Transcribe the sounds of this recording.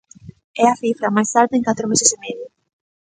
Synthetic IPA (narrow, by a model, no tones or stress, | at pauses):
ɛaθifɾɐmajst̪aɾðeeŋkat̪ɾomesesemeðjʊ